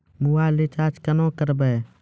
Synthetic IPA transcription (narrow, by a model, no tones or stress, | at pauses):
muwalit͡ʃaːt͡ʃkənõːkəɾbɛː